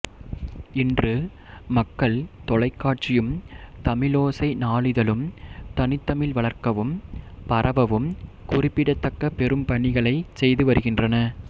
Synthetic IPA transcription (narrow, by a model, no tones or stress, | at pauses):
ɪndrɯ | mɐkːɐɭt̪ɔɭɐɪkːaːʈ̚t͡ʃɪjɯmt̪ɐmɪloːsɐɪnaːɭɪðɐlɯmt̪ɐnɪt̪ːɐmɪlʋɐɭɐɾkɐʋɯmpɐɾʔɐʋɐʋɯmkʊrɪpːɪɽɐt̪ːɐkːɐpɛɾɯmpɐɳɪɣɐɭɐɪsɛjðɯʋɐɾɯɣɪndrɐnɐ